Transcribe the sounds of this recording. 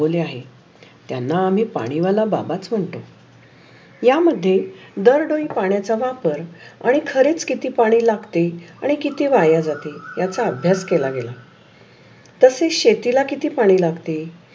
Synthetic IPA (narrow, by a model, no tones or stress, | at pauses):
oleaɦe | t̪janːaːm̤iːpa̰ɽ̃iʋalaba̰bat͡sm̤əɳt̪o | jaməd̪ʱːjed̪əɾɖoipaɳ̃jat͡saʋapəɾa̰ɽ̃ikʰəɾet͡skit̪iːpaɽ̃iːlaɡt̪eaɽ̃ikit̪iːʋajad͡zat̪ejat͡saəbʱjaskelaɡela | t̪əseɕet̪ilakit̪iːpaɽ̃iːlaɡt̪e